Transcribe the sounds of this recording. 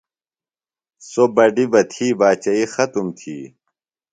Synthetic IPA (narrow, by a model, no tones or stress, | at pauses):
sobɐɖibɐt̪ʰiːbaːt͡ɕɐixɐt̪umt̪ʰḭː